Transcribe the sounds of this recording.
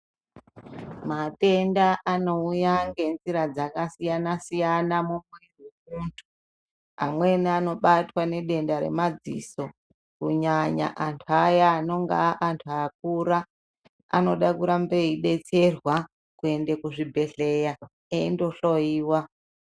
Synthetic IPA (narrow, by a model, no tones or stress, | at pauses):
mate̞ndaʔano̞ujaŋɡe̞nziɾad͡zakasijanasijanamumweemuntʰu̥ | a̰mwe̞niano̞ɓatwane̞ɗe̞ndaɾe̞̰mad͡zḭso̞ | kuɲaɲa̰ʔantʰuajaːno̞ŋɡa̰ːʔantʰuaːk̚uɾa | a̰no̞ɗakuɾambeiɗe̞t͡se̞rwa | kue̞nde̞kuʐibʱe̞ɬe̞ja | eindo̞ɬoiːwa